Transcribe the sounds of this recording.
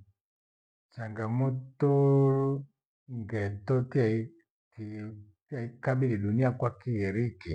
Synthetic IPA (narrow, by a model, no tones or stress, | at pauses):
t͡ʃaŋɡamutuɾu | ŋɡɛtɔt | taikabiliɗuniakwakiɛɾiki